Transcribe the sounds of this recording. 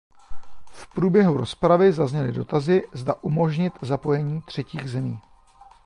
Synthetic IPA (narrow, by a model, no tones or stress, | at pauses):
fpɾuːbjɛɦuɾo̞spɾavɪzazɲɛlɪdo̞t̪azɪzdaʔumo̞ʒɲɪt̪zapo̞jɛɲiːt̪r̝̥ɛciːɣzɛmiː